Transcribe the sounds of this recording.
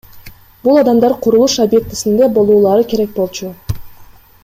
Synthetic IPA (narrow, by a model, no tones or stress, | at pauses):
bulˠɑd̪ɑmd̪ɑɾqʰuɾulˠuʃabje̞k̚t̪i̥sind̪e̞bo̞lˠuːlˠɑɾɯkʲe̞ɾe̞k̚bo̞lˠt͡ʃu